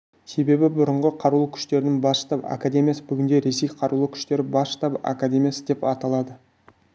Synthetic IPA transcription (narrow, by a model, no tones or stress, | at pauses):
se̞be̞bɪbʊɾəɴʁəqʰɑɾulˠəkʲʰʏ̥ʃt̪e̞ɾɪnɪŋbɑsʃt̪ɑpa̰kad̪ʲe̞mʲijasəbʏɡʲɪnd̪e̞ɾe̞se̞jqʰɑɾulˠəkʲʰʏ̥ʃt̪e̞ɾɪbɑsʃt̪ɑpa̰kad̪ʲe̞mʲijasəd̪e̞pɑt̪ɑlˠɑd̪ə